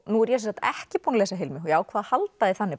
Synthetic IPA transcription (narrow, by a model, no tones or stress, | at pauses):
nuɛɾjɛs̬ɛsant̪ɛhcɪponlɛsaɦɪlmɪɦɔjaːwkʰvaːðahalt̪aðɪθanːɪ